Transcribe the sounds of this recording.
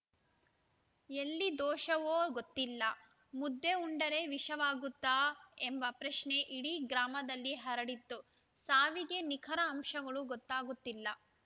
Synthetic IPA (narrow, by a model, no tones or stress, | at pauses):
elːid̪ɔːʃɐʋoːɡot̪ːilːɐ | mud̪ːe̞uɳɖɐɾe̞ʋiʂɐʋaːɡut̪ːaːembɐpɾɐʂne̞ʔiɽiɡɾaːmɐd̪ɐlːiɦɐɾɐɽit̪ːu | saːʋiɡe̞nikʰɐɾɐːmʃɐɡɐɭuɡɔt̪ːaːɡut̪ːilːɐ